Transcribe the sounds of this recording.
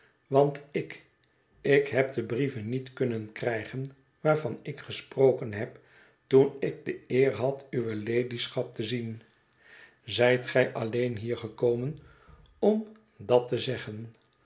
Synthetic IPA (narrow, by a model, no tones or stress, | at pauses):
ʋɑntɪk | ɪkɦɛp̚dəbrivənːitkɵnənkrɛjχən | ʋaːɹvɑnɪkχəsprowkənɦɛp | tunɪɡ̚dəɪːɹɦɑtyʋəlejdisχɑp̚təzin | zɛjtχɛjʔɑlejnɦiːɹχəkoːmən | ɔm | dɑtəzɛχən